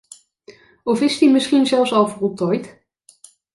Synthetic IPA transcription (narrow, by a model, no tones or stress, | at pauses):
ɔfɪstimɪsχinzɛlˠfsɑlˠvərɔtɔjt